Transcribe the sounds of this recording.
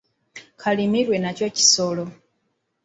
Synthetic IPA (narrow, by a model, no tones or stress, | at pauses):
kʰalimiɾwe̞naco̞ci̥so̞lo̞